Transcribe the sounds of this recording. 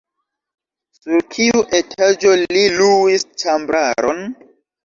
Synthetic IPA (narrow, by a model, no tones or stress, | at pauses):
suɾkʰiuʔe̞tʰad͡ʒo̞liluwist͡ʃambɾaɾo̰n